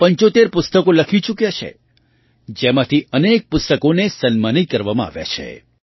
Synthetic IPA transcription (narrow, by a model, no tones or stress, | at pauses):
pəɲt͡ʃot̪eɾpʊst̪əkoləkʰit͡ʃukjat͡ʃʰḛ | d͡ʒemãt̪ʰiənek̚pʊst̪əkonesənmanikəɾʋamãa̰ʋja̰t͡ʃʰḛ